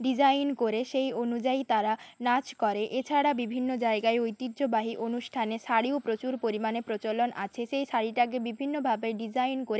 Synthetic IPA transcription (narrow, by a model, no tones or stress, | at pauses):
ɖid͡ʑajnkoɾeʃejonud͡ʑait̪aɾanat͡ɕkɔɾeʔet͡ɕʰaɽabibʱinːod͡ʑaeɡaeojt̪id̪ːd͡ʑobaɦiʔonuʃʈʰaneʃaɽiopɾot͡ɕuɾpoɾimanepɾot͡ɕolona̰t͡ɕʰeʃejʃaɽiʈaɡebibʱinːobʱabeɖid͡ʑajnkoɾe